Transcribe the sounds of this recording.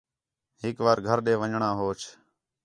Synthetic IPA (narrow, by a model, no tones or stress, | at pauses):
ɦɪkʋaːɾɡʱəɾɗeːʋəɲɳãːɦoːt͡ʃʰ